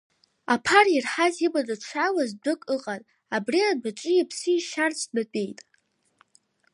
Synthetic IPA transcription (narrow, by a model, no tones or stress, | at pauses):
apʰarirħazibadʼaʈ͡ʂʷʰawazdʷɨkʼɨqʼanʼ | abriadat͡ʃʼɨjapʰsɨʃart͡sʰʼdapʼe̞jtʼ